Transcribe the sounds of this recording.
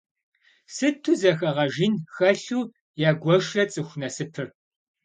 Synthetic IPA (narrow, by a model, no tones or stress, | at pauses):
sɨtʰɨzɐxɐʁɐʒinxɐɬuː | jaːɡʷɔʂɐt͡sʼɨxʷnɐsɨpʰɨr